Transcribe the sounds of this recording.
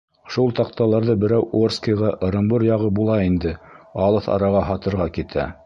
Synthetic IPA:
ʃulˠt̪ɑq̚t̪ɑlˠɑɾðɤbɘ̆ɾæwʔorskɤ̆jʁɑʔɤ̆ɾɤ̆mbɤɾjɑʁɤbulˠɑind̪ɘɑlˠɤθɑ̰ɾɑʁɑɦɑt̪ɤ̆ɾʁɑkit̪ʰæ̰

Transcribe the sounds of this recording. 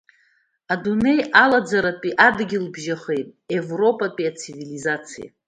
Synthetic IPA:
adune̞jalad͡zaɾapʼiʔadɡʲɪlbʒaχe̞jtʼe̞vro̞pʼapʼiat͡sʰivilizat͡sʰija̰

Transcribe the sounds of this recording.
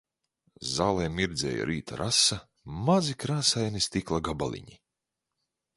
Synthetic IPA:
zaːlˠɛːmiɾd̪zʲɛ̰ːja̰ɾʔiːt̪a̰ɾʔasa | mazikɾaːsajnist̪iklˠaɡabalʲˠḭɲi

